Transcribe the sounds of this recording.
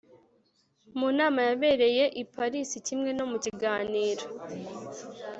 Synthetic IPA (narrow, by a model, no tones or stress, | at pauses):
munaːmajaβe̞ːɾe̞je̞ʔipaɾisicimŋe̞no̞muciɡaːniːɾo